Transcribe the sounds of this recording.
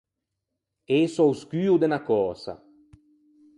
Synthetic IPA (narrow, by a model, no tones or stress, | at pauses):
esɔwskyːud̪enakɔːsa̰